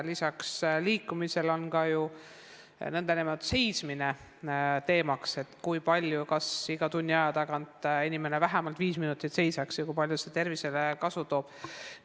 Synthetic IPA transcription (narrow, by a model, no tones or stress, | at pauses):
lisɑksliːkːˑumise̞lo̞nkɑju | nend̪̥enemɑt̪se̞jsmine̞ | t̪e̞ːmɑkse̞t̪kujpɑlʲjukɑsiɡ̥ɑt̪unʲːiɑjɑt̪ɑkɑnt̪enʲime̞nevæɦæmɑlt̪viːsminut̪ːˑit̪se̞jsɑksjɑkujpɑlʲjuset̪e̞rvise̞lekɑsut̪o̞ːb̥